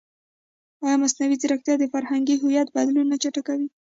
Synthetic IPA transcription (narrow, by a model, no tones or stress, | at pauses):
ɑjɑmasnawizɪɾakt̪jɑd̪əfaɾhaŋɡiɦʊjat̪̚bad̪lunːat͡ʃaʈakawi